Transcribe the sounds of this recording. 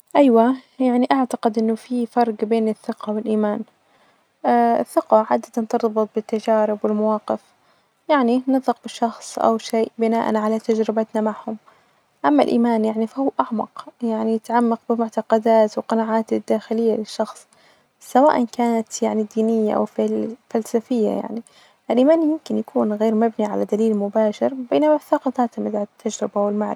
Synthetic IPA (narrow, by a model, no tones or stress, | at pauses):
ʔajwajaʕniʔaʕt̪aqɪd̪ʔɪnːʊfifɑɾˤɡbeːnɪθːɪqɑwɪlʔiːmaːn | ɪ̰θːɪqɑʕaːd̪ːat̪ant̪ɨɾˤbɨt̪̚ˤbɪt̪ːad͡ʒaːɾɪbwɪlmawɑːqɪf | jaʕninɨðˤɑq̚bɪʃːɑxsˤʔa̰wʃeːʔbɪnaːʔa̰nʕalat̪ad͡ʒɾɪbat̪namaʕhʊm | ʔamːa̰lʔḭːmaːnjaʕnifahuːʔaʕmɑ̰qjaʕnijɪt̪ʕamːɑq̚bɪmʊʕt̪ɑqɑd̪aːt̪wqɑnaʕaːt̪ɪd̪ːaːxɪlɪjːalɪʃːɑxsˤ | sawa̰ːʔankaːnat̪jaʕnid̪ːiːnɪjːa̰ʔa̰wffalsafɪjːa̰ja̰ʕni | ʔalʔiːmaːnjʊmkɪnjakʰuːnɣeːɾmabniʕa̰lad̪aliːlmʊbaːʃɪɾbeːnamaθɑqɑt̪aːt̪amɪd̪ʕt̪ʰːad͡ʒɾɪbawɪlmaʕɾɪ̰